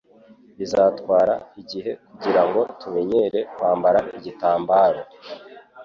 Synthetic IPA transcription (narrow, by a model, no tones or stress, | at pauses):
izaːtkwaːɾa̰iɟiɦe̞kuɟiɾaŋɡo̞tume̞ɲeɾe̞kwaːmbaɾaiɟitaːmbaːɾo